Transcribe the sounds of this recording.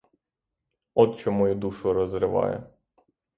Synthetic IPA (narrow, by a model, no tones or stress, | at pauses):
ɔt̪t͡ʃɔmɔjud̪uʃʊɾɔzɾɪʋɑ̰jɛ̰